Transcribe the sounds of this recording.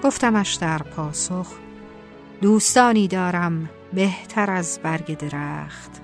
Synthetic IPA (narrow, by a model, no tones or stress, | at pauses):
ɡ̥o̞ft̪æmæʃd̪æɾpʰɒːsox | d̪uːst̪ɒːniːd̪ɒːɾæm | beht̪ʰæɾæzbæɾɡe̞d̪e̞ɾæːxt̪